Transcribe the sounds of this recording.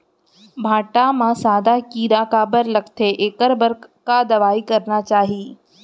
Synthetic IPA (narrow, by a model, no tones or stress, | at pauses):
bʱaːʈamãsaːd̪ʱakiːd̪aːkabəɾlɐkt̪ʰeʔeːkəɾbəɾkad̪ɐʋaːikɐɾnat͡ʃaːɦiː